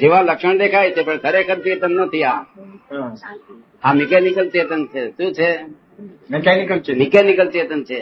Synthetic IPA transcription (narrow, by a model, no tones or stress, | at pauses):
d͡ʒeʋãləkʃəɳd̪ekʰajt͡ʃʰepəɳk̪ʰəɾekʰəd̪̚piət̪ənːət̪ʰija | amɪkɛnɪkəlt͡ʃet̪ənt͡ʃʰeʃũt͡ʃʰe | mɛkɛnikəlmɪkɛnikəlt͡ʃet̪ənt͡ʃʰe